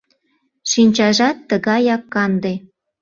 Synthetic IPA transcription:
ʃinʲt͡ɕɑʒɑt̪ːəɣɑjɑkːɑnd̪e

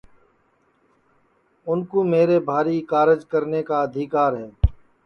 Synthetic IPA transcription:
ʊnkoːmeːɾeːbʱaːɾiːkaːɾɪd͡ʒkəɾneːkaːəd̪ʱɪkaːɾɦɛː

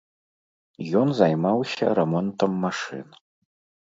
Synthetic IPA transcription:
jɔnzajmawsʲɐ̰ɾɛmɔnt̪ɐmːaʂɨ̰n

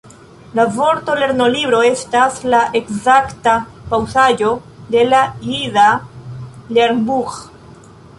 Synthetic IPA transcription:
lavo̞ɾto̞le̞ɾno̞libɾo̞e̞staslaʔe̞kzakta | pawsad͡ʒo̞ | de̞lahiða | leɾnbux

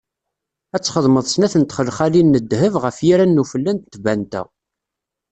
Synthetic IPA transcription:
æt͡sːχəðˤməðˤsnæθənt̪χəlːχælinːəd̪ːhəvʁəfjiɾænːufəlːænt̪t̪bænt̪æ̰

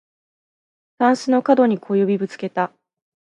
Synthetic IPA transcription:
sãɰ̃sɨno̞kad̪o̞ɲ̟ikʰo̞jo̞bʲibɯ̟t͡sɨ̥ke̞t̪a

